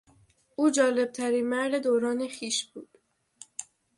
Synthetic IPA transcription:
ʔuːd͡ʒɒːle̞b̥̚t̪ʰæɾiːnmæɾd̪e̞d̪oːɾɒːne̞xiːʃbuːd̪̥

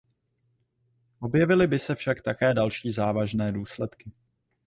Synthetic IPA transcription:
ʔo̞bjɛvɪlɪbɪsɛfʃakt̪akɛːdalʃiːzaːvaʒnɛːduːslɛt̪kɪ

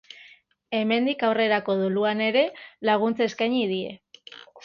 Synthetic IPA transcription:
e̞me̞nd̪ikawre̞ɾako̞ðuluane̞ɾe̞laɣ̞unt͡seskajɲiðie̞̰

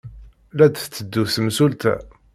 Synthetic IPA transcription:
læd̪θt͡sːəd̪ːusəmsult̪æ̰

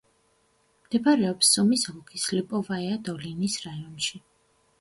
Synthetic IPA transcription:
md̪ɛbaɾɛɔpsːɔmisɣɔkʰislipʼɔvaɛad̪ɔlinisɾajɔnʃi

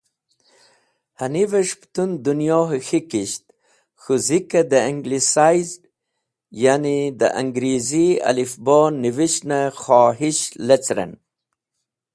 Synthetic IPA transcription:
haniveʂpt̪und̪unjoːɦxikiɕt̪̚ | xuzikad̪əiŋɡlisajzɖ | janid̪ə̰ʔa̰ŋɡɾiziɐ̰lifboːnːiviʃnaxoːɦiʃlet͡sɾɐ̰n

